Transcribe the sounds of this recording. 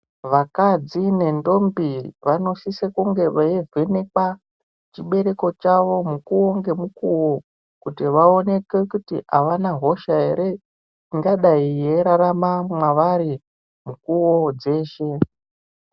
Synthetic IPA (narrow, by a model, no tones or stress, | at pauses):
ʋakad͡zine̞ndo̞mbiʋano̞sisekuŋɡe̞ʋaeveneka | t͡ʃiɓe̞ɾe̞ko̞t͡ʃaʋo̞mukuwoŋɡe̞mukuwo̞ | kutiʋao̞ne̞kekutḭa̰ʋanaɦo̞ʃae̞ɾe̞ | iŋɡaɗaije̞ɾaɾamamwaʋaɾi | mukuwod͡ze̞ːʃe̞